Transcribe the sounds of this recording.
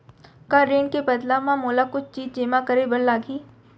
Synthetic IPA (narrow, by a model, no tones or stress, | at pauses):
kaːɾeːɳkebɐd̪laːmãmoːlakʊt͡ʃʰt͡ʃiːd͡ʒd͡ʒeːmakəɾebɐɽlaːɡiː